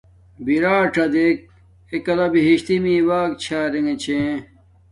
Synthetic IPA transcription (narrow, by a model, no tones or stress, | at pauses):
biɾaːʈɐd̪ek̚ | ekɐlɐbiɦiɕt̪imiːwaːk̚t͡ɕʰaːɾeŋet͡ɕʰẽ